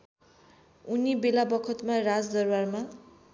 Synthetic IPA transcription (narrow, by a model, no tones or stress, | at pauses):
unibelabʌkʰʌt̪marad͡zd̪ʌrwarma